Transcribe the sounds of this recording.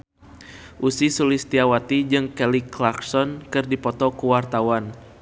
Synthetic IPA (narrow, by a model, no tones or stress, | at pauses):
ʔusisulɪst̪iawat̪id͡ʒɨŋkɛliklaksɔnkɨrdipɔt̪ɔkuwart̪awan